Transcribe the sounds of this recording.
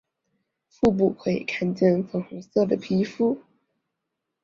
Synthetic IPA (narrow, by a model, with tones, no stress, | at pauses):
fu˥˧p̬u˥˩kʰe˧˥˩ḭ˨˩kʰa˥˧nt͡ɕjɛ˥˧nfɤ˧˥ŋxu˧˥ŋsɤ˥˩d̪ə˩pʰi˧˥fu˥˩